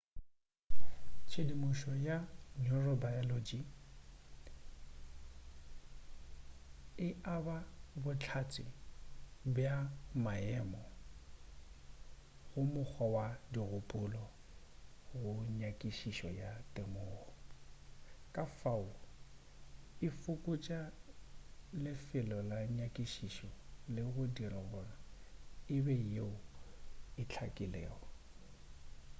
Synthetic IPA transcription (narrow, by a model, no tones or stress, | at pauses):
t͡ʃʰedimʊʃɔjanɔrɔbajɔlod͡ʒi | ɪʔababʊt͡ɬʰat͡sʼɪ | bjamaɛːmɔ | ɣʊmʊk͡xʰɔwadiɣʊpʼʊlɔ | ɣʊɲakʼiʃiʃɔjatʼemʊːɣɔ | kʼafaʊ | ɪfʊkʼʊt͡ʃʼa | lɪfɪlɔlaɲakʼiʃiʃɔlɪɣʊdirɔɣɔnaɪbɛeʊ | ɪt͡ɬʰakʼɪlɛːɔ